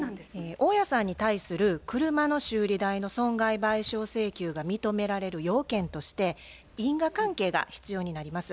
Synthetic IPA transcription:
eoːjasãɲ̟ːit̪aisɨɾɯ̟kɯ̟ɾɯ̟mano̞ɕɨːɾʲid̪aino̞sõ̞ŋɡaibaiɕo̞ːse̞ːkʲɨːɡamʲit̪o̞me̞ɾaɾe̞ɾɯ̟jo̞ːkẽ̞nt̪o̞ɕi̥t̪e̞ | ĩŋɡakãŋke̞ːɡa̰çi̥t͡sɨjo̞ːɲ̟inaɾʲimasɨ̥

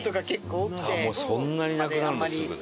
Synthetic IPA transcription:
t̪oɡakekːoːkaemoːsõnːaɲ̟inakɯnaɾɯ̃sk

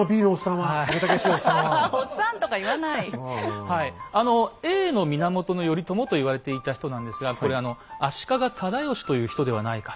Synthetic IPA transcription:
obʲiːnoosãaaɡet̪akeɕosãosãnt̪o̞kaiβanaihaiano̞e̞ːno̞mʲinamo̞t̪o̞no̞jo̞ɾʲit̪o̞mo̞t̪o̞iβaɾe̞t̪e̞it̪açi̥t̪o̞nãnd̪e̞sɨɡakɾe̞ano̞aɕi̥kaɡat̪ʰad̪ajo̞ɕi̥t̪o̞jɯ̟ːçi̥t̪o̞d̪e̞βa̰naikḁ

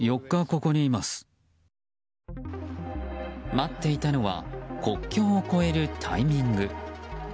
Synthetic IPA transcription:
jo̞kːako̞ko̞ɲ̟iːmasɨ̥ | mat̪ːe̞it̪ano̞βa̰ko̞kʲːo̞ːko̞e̞ɾɯ̟t̪ʰa̰imʲĩŋɡɯ̟

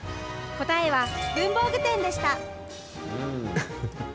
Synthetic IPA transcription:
ko̞t̪ae̞βaɡɯ̟̃mbo̞ːɡɯ̟t̪ẽ̞nd̪e̞ɕi̥t̪a

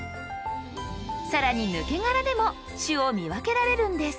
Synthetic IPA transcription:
saɾaɲ̟inɯ̟ke̞ŋaɾad̪e̞mo̞ | ɕɨomʲiβake̞ɾaɾe̞ɾɯ̟̃nd̪e̞sɨ̥

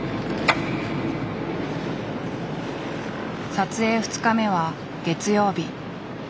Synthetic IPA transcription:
sat͡sɨe̞ːɸɯ̟̥t͡sɨ̥kame̞βa | ɡ̥e̞t͡sɨjo̞ːbʲi

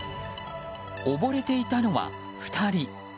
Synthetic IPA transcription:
obo̞ɾe̞t̪e̞it̪ano̞βa̰ | ɸɯ̟̥t̪ʰaɾʲi

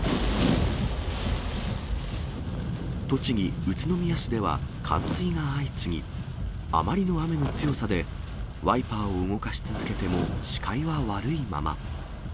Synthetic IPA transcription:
t̪o̞t͡ɕiɲ̟ʲiɯ̟t͡sɨno̞mʲijaɕid̪e̞βa̰kʰã̰ɰ̃sɨiŋaːit͡sɨŋ̟ʲḭ | a̰maɾʲino̞ame̞no̞t͡sɨjo̞sad̪e̞ | βaipaːoɯŋo̞kaɕi̥t͡sɨzɨke̞t̪e̞mo̞ɕi̥kʰaiβaβaɾɯ̟ima̰ma̰

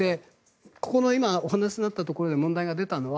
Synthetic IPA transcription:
e̞ | ko̞ko̞no̞imaoɦanaɕinnːat̪ːat̪o̞ko̞ɾo̞d̪e̞mõ̞nd̪aiɡad̪e̞t̪ano̞βa

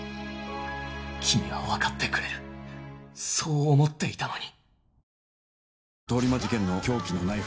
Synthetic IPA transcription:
kʲʰimʲiβa̰βakat̪ːe̞kɯ̟ɾe̞ɾɯ̟ | so̞ːmo̞t̪ːe̞it̪anoɲi | t̪o̞ːɾʲimad͡ʑikẽ̞nːo̞kʲo̞ːkʲinonai

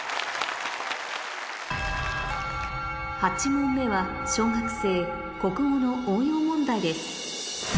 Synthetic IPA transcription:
hat͡ɕimõ̞mːe̞βa | ɕo̞ːɡakɯ̟̥se̞ː | ko̞kɯ̟mo̞no̞ʔõɰ̃jo̞ːmõ̞nd̪aid̪e̞sɨ̥

